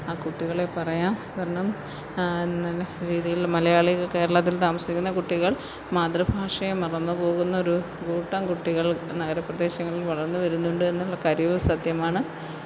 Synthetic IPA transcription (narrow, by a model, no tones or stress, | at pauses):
aːkuʈːiɣɐɭe̞pɐrɐjaːmkaːɾɐɳɐm | nːɐlɐɾiːðijilmɐlɐjaːɭiɣke̞ːɾɐɭɐt̪̬ːilt̪aːmɐsikʲːunːɐkuʈːiɣɐɭ | maːd̪ɾɐbʱaːʂɐjemɐrɐnːɨpo̞ːɣunːɐoɾu | ɡuːʈːɐmkuʈːiɣɐɭnɐɣɐɾɐpːrɐd̪e̞ːɕjɐŋːɐɭilʋɐɭɐrnːɨʋɐɾunːuɳɖɨe̞nːuɭːɐkɐɾiʋɨsɐd̪jɐmaːɳɨ